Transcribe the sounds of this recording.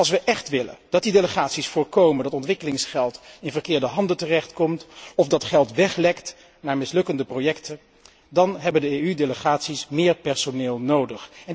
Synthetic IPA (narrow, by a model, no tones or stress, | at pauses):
ɑlˠs̬ʋəʔɛχtʋɪlə̰d̥ɑt̚dideləχaːtsisfʊːɹkowməndɑtɔntʋɪkəlɪŋsχɛlˠtɪnvəɹkɪːɹdəɦɑndəntərɛχtkɔmtɔfdɑtχɛlˠtʋɛχlɛkt | naːɹmɪslɵkəndəprojɛktə | dɑnɦɛbəndəejydeləχaːtsismɪːɹpɛɹsonɪːlˠnowdəχɛ